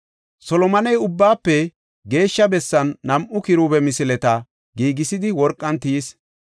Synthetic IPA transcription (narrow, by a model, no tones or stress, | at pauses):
sɔlɔmɐnɛjʊbːaːpːɛ | ɡe̞ːʃːɐbɛsːɐnːɐmʔʊkɪɾubɛmɪsɪlɛt̪ɐ | ɡiːɡɪsɪd̪ɪwɔɾkʼːɐnt̪iːs